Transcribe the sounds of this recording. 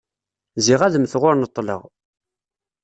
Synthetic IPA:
zɪʁæðəmθʁʊɾnət̪ˤːlə̰ʁ

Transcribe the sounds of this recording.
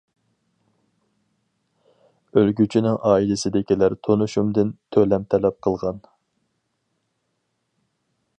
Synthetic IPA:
ølɡʲyt͡ʃʰinɪŋʔɑːilɪsɪd̪ɪkʲilæɾt̪ʰonuʃumd̪ɪnt̪ʰølɛmt̪ʰɛlɛp̚qʰəlˠʁɑn

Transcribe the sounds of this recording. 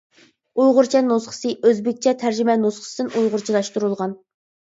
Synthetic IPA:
ujʁʊɾt͡ʃʰɛnosχə̥sɨʔøzbɪk̚ʲt͡ʃʰɛt̪ʰæɾd͡ʒymɛnosχə̥sɨd̪ɪnujʁʊɾt͡ʃʰilˠɑʃt̪uɾulˠʁɑn

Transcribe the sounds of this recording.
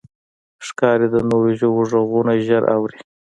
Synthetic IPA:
ʂkɑɾed̪ənoɾeʒoboʐoɣunaʒəɾʔa̰wɾi

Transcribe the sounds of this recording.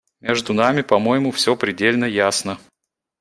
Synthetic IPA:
mʲe̞ʐd̪ʊnamʲɪpɐmo̞jɪmʊfsʲo̞pɾʲɪdʲelʲnəjasnə

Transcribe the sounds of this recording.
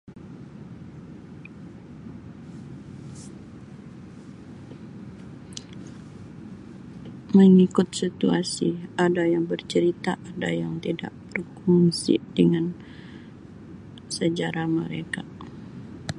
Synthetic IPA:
məŋikʊt̪̚sit̪uasiadajaŋbərt͡ʃəɾit̪aʔada̰jaŋt̪ida̰ʔb̥ərkuŋsḭdəŋan | səd͡ʒaɾahmə̰ɾeka

